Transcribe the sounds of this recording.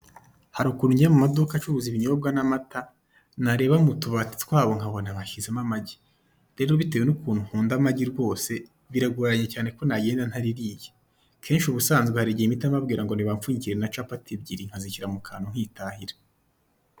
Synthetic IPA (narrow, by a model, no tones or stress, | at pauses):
haɾukuːnuɲɟiɾamumadukat͡ʃuβuziβiɲoob̚ɡanamata | naɾe̞ːβamutuβati̥tkwaːβo̞ŋhaβonaβaʃizemamaɟi̥ | ɾe̞ːɾoβitewenukuːnuhuːndamaɟiɾɡo̞ːse̞ | βiɾaɡuɾaɲecaːne̞ko̞naɟeːndan̥haɾiɾiːje | kʰe̞ːnʃuβusaːnzɡwehaɾiɟiimitamabɡiːɾaŋɡoniβaɱfuːɲiciɾenat͡ʃapatʰib̚ɟiɾiŋ̥haziciɾamukʰaːnoŋ̥hitʰahiɾḁ